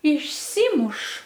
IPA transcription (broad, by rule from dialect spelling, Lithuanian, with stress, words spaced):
ɪʃʲˈsʲiːmʊʃ